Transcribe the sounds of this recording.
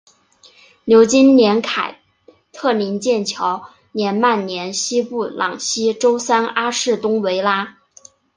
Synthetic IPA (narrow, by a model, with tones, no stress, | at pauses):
njo˧˥ʊt͡ɕi˥nnjɛ˧˥nkʰa˨˩ɪ | t̪ʰɤ˥˩li˧˥nt͡ɕjɛ˥˩nt͡ɕʰjɑ˧˥ʊ | njɛ˧˥nma˥˩nnjɛ˧˥nɕi˥pu˥˩lʔɑ̰˨˩ŋɕi˥ʈ͡ʂo˥ʊsa˥na˥ʂɻ̩˥˩t̪ʊ˥ŋwe˧˥ɪla˥